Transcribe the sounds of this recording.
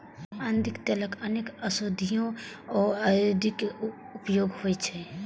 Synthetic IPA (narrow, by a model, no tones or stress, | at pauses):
and̪ikt̪ələkənekəsod̪ʱijõɔːajod̪ik | upjoɡhojt͡ʃʰɛ